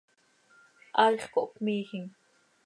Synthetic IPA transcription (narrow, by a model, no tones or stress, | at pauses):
ʔɑʎχkoʔkmiːxiŋ